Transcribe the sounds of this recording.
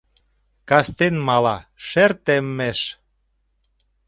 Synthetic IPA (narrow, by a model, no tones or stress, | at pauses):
kɑst̪enmɑlɑʃert̪emːeʃ